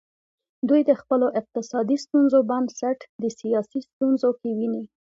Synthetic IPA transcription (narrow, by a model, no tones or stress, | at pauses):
d̪ujd̪əxpəloʔɪq̚t̪ɪsɑd̪ist̪unzobamsaʈd̪əsijɑsist̪unzokewini